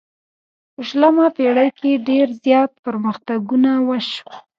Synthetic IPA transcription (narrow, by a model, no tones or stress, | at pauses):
əʃlamapeɽajkeɖeɾzjɑt̪̚pəɾməxt̪aɡunawaʃ